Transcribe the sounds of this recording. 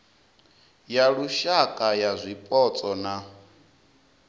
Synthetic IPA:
jaɺuʃakʼajazʷipʼɔt͡sʼɔna

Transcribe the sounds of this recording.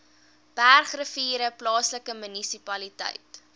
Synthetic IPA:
b̥ærχrəfiːɾəplɑːsləkəmynisipɐlitɛ̰jt

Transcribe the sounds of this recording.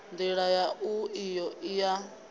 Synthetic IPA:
nd̪iɺajaʔuijɔʔija

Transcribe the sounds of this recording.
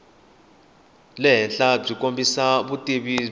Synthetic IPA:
lɛnɬʼab͡ʐikʼombʱisaβutʼiβi

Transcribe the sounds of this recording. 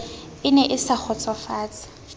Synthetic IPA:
ɪnɛʔɪsak͡xʰɔt͡sʼɔfaːt͡sḁ

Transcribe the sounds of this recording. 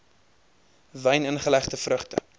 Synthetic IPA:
vəjnənχəlæχtəfrəχtə̰

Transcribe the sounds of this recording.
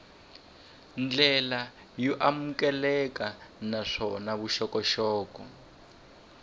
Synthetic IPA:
nd͡ɮɛla | jɔʔamukɛlɛkanaʂɔnaβuʃɔkɔʃɔːkɔ

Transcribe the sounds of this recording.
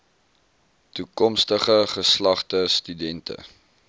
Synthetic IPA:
tukɔmstəχəχəslɐχtəstydɛntə̰

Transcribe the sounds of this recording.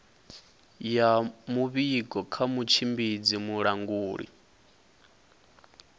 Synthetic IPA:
jamuβiɡɔkʰamut͡ʃʰimbid͡zimuɺaŋɡuːɺḭ

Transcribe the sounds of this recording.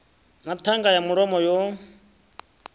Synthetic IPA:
natʰaŋɡajamuɺɔmɔjo

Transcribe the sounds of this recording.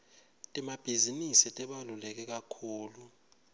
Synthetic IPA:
tʼɛmab̥ʱizinisitʼɛɓalulɛk̬ɛk̬akʰuːlu

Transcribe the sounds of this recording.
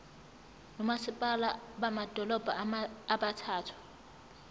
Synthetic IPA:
nɔmasipʼalaɓamad̥ʱɔlɔb̥ʱaːɓatʰaːtʰu̥

